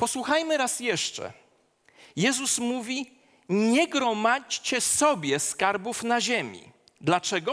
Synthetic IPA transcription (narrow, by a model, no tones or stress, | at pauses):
pɔswuxajmɘɾasjɛʂt͡ʂɛ̰ | jɛzusmuvʲi | ɲɛɡɾɔmat͡ɕt͡ɕɛsɔbʲjɛskaɾbufnaʑemʲḭ | d̪lat͡ʂɛɡɔ